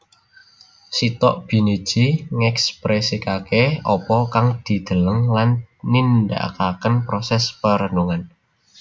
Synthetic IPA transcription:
sit̪ɔʔb̥i̤nid̥ʒ̥iŋɛkspɾesikakeɔpɔkaŋd̪̥i̤d̪̥ə̤ləŋlanːind̪a̰ʔkakənpɾɔsɛspəɾənuŋan

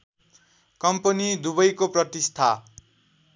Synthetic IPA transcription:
kʌmpʌnid̪ubʌjkoprʌt̪ist̪ʰa

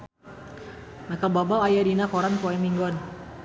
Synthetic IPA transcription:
makəbabalajadinakɔɾankɔɛmiŋɡan

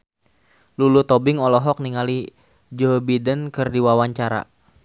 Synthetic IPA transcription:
lulut̪ɔbɪŋɔlɔɦɔk̚niŋali | d͡ʒobidənkɨrdiwawaɲt͡ʃaɾa̰

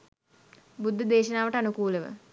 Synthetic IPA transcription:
bud̪ʱːəd̪eːʃɐnaːʋəʈəanukuːləʋə̰

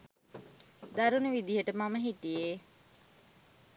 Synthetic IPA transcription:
d̪aɾunuʋid̪iɦəʈəmaməɦiʈije

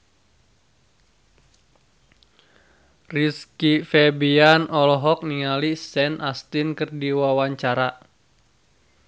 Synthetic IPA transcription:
riskifɛbianʔɔlɔɦɔk̚niŋalisɛnʔast̪inkɨrdiwawaɲt͡ʃaɾa

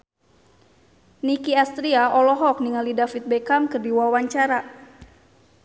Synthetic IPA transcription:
nikiast̪ɾiaʔɔlɔɦɔk̚niŋalidafit̪̚bɛkamkɨrdiwawaɲt͡ʃaɾa

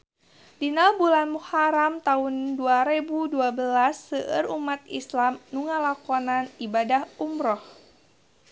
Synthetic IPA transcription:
dinalbulanmuhaɾamt̪aɦunduaɾebuduabəlasːəʔərumat̪̚islamnuŋalakɔnanibadahumɾɔh

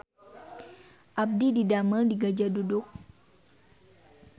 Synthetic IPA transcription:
ʔab̚dididamədiɡad͡ʒadudʊk̚

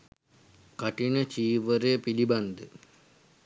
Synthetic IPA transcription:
kaʈinət͡ʃiːʋəɾeːpiliband̪ə

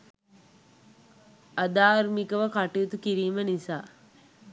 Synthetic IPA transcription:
ad̪aːɾmikəʋəkaʈiut̪ukiɾiːmənisaː

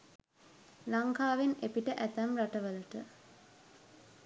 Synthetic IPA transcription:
laŋkaːʋenepiʈəʔæt̪æmɾaʈəʋəluʈə

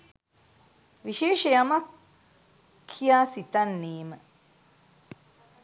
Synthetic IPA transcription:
ʋiʃeːʃəjamak | ijaːsit̪anːeːmə

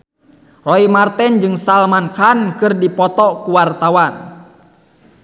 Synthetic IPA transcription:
rɔimart̪ɛnd͡ʒɨŋsalmankankɨrdipɔt̪ɔkuwart̪awan

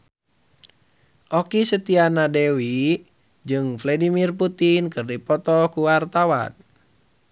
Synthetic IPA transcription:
ʔɔkisət̪ianadewi | d͡ʒɨŋflɛdimirput̪inkɨrdipɔt̪ɔkuwart̪awa̰n

